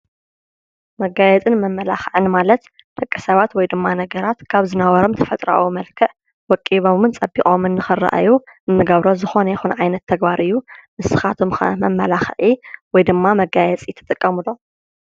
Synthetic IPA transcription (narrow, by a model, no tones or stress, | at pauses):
mɐɡajɛt͡sʼɨnmɐmːɐlaxʕɨnmalɐt̪ | d̪̥ʰɐkʼːɐsɐβat̪wɔjd̪ɨmːanɐɡɐɾat̪kʰaβzɨnawɔɾomt̪ʰɐfɐt̪ʼɾa̰wumɐlkʰɐʔ | wɔkʼːiβomɨnt͡sʼɐbːikʼomɨnːɨxɨra̰ʔa̰juʔɨnːɨɡɐβɾo̞zɨxo̞nɐjɛxunʕajnɐt̪ʰːɐɡbaɾʔɨjːumɨsɨ̥xat̪ʰomxɐ̰mɐmːɐlaxʕiwɔjd̪ɨmːamɐɡajɛt͡sʼit̪ʰɨ̥t̪ʼɨkʼːɐmɨlo̞